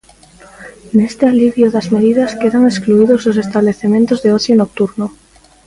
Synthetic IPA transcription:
nest̪ealiβjoðazmeðiðaskeðaŋeskluiðozðos̬est̪aβleθemẽnt̪ozðeosjonok̚t̪uɾno

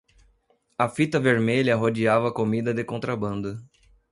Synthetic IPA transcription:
ɐfit̪ɐveɾmeʎɐɦod͡ʒiavɐːkomid̪ɐd̪ɪkõnt̪ɾabɐ̃nd̪ʊ

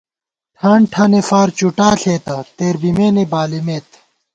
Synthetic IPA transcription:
t̪ʰaːɳʈʰɐnefaːɾt͡ɕuʈaːɬʰeːt̪ɐt̪eːɾbimeːnebaːlimeːt̪

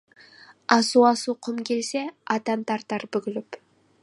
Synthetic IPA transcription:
ɑsuɑsuqʰʊmkʲʰe̞lseɑt̪ɑnt̪ɑɾt̪ɑɾbʏɡʲɪlɪp

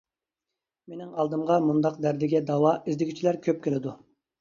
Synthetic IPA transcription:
menɪŋɑlˠd̪ɨmʁɑmund̪ɑqd̪æɾd̪ɪɡʲɛd̪ɑwɑizd̪ɪɡʲit͡ʃʰilæɾkʲʰøp̚kʲʰelɪd̪u

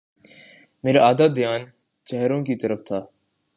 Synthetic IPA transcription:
meːɾaʔaːd̪aːd̪ɪjaːn | t͡ʃɛɦɾõkiːt̪əɾəft̪ʰaː

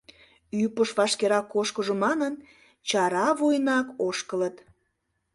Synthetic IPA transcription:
ypəʃβɑʃkeɾɑkːoʃkəʒomɑnən | t͡ɕɑɾɑβojnɑkoʃkələt̪

